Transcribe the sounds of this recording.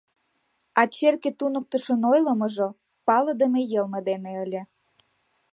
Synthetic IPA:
ɑt͡ɕerket̪unək̚t̪əʃənojləməʒo | pɑləd̪əmejəlməd̪eneəlʲe

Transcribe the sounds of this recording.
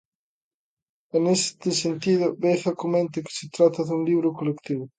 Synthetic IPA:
enest̪esent̪iðobeθakomẽnt̪eke̥set̪ɾat̪aðunliβɾokolekt̪iβo

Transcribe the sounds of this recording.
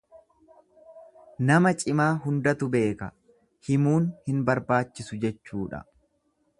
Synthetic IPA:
nɐmɐt͡ʃʼɪmaːɦʊnd̪ɐt̪ʊbe̞ːkɐ | hɪmuːnhɪnbɐɾbaːt͡ʃːɪsʊd͡ʒɛt͡ʃːuːᶑɐ̰

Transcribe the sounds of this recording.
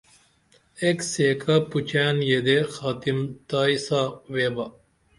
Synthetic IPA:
ekseːkʰaput͡ɕanjed̪exaːt̪imt̪aːisaweːbɐ

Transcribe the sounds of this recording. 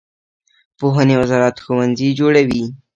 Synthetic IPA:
poɦanewazɑɾat̪xowanzid͡ʒoɽawi

